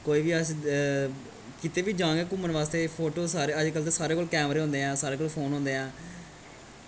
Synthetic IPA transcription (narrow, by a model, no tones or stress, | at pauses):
koːiːʋiːəs | kɪt̪eːʋiːd͡ʒãːŋɡeːkʊmənʋaːst̪eːpʰoːʈoːsaːɾeːəd͡ʒkəlt̪eːsaːɾeːkoːlkɛːmɾeːɦõnd̪eːɛ̃ːsaːɾeːkoːlpʰoːnɦõːnd̪eːɦɛ̃ː